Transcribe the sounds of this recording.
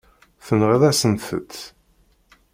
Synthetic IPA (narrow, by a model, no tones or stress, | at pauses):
θənʁaðæsənθə̰t̪ː